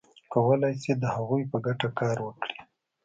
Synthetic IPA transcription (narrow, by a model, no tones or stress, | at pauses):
kawəlɑjsed̪əhaɣujpəɡaʈakɑɾwəkɽi